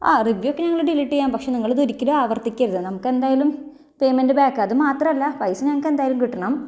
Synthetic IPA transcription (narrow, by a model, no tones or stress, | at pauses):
a̰ːriʋjjokːɐɲɐŋːɐɭɽiliʈːijaːnpɐkʂe̞niŋːɐɭd̪oɾikʲːɐɾɨaːʋɐrt̪ikʲːɐɾuðɨnɐmukːe̞nd̪aːjalum | pe̞jmendɨbaːkːɨɐðɨmaːt̪rɐmɐlːɐpɐjsɨɲɐŋːɐkːend̪aːjalumkiʈːɐɳɐm